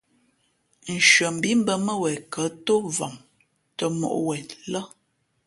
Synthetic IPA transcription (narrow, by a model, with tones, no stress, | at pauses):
n̩˨ʃɥə˨m̩˨bi˦m̩˦bə˨mə˦wɛ˨kə˨˦to˦vɔ˨m | tə˨mɔ̰˨ʔwɛ˨lə˦